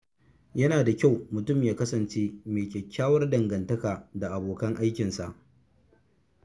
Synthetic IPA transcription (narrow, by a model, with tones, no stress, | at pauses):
jɐ˦naː˨da˨kʲa˦˨wmʊ˨tʊ˦˨mjaː˦kɐ˦sɐ˨nt͡ʃeː˦meː˨kʲɛ˨kʲːaː˦wɐ˦rdɐ˨ŋɡɐ˨ntɐ˦kaː˨da˨ʔa˨boː˨kɐ˦ŋʔa˦jkʲɪ˨nsa˨ʔ